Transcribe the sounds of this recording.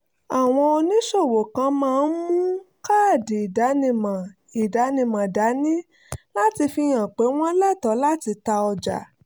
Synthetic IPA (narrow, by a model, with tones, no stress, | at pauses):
a˨w̃ɔ̃˧o˧nĩ˨˦ʃo˦˨wo˨kã˨˧˦mãː˦˧˦n̩˦mũ˦ | ka˦˨di˨i˨da˨˦nĩ˧˨mã˨ | i˨da˨˦nĩ˧˨mã˨da˨˦nĩ˦ | la˦ti˧fi˧j̃ã˨k͡pe˨˦w̃ɔ̃˦lɛ˦˨tɔ˨˦la˦ti˧ta˧ɔ˧d͡ʒa̰˨